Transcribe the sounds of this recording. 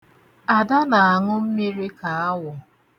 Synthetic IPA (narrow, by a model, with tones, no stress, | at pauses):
a˨da˦na˨a˨ŋʊ˦m̩˦mi˦ɾi˦ka˨a˦wʊ˨